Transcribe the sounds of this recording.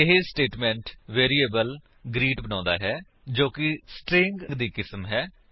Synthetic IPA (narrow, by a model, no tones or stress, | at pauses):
ɪɦesʈeːʈmɛ̃ːɳʈʋeːɾiːeːbəl | ɡɾiːʈbənãːnd̪a̰ːɦɛː | d͡ʒoːkɪsʈɾɪ̃ŋɡŋɡd̪iːkɪsmɦɛː